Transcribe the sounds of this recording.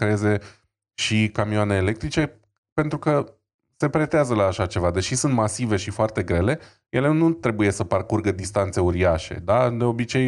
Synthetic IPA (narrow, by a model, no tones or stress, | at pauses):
kɾeeze̞ | ʃikamioane̞ːle̞k̚t̪ɾit͡ʃe̞ | pe̞nt̪ɾukə | se̞pɾe̞t̪eazəlaːʃat͡ʃe̞vad̪e̞ʃisunt̪masive̞ʃifoart̪e̞ɡɾe̞le̞ | je̞le̞nut̪ɾe̞buje̞səparkurɡəd̪ist̪ant̪se̞uɾiaʃe̞̰d̪ad̪e̞o̞bit͡ʃe̞j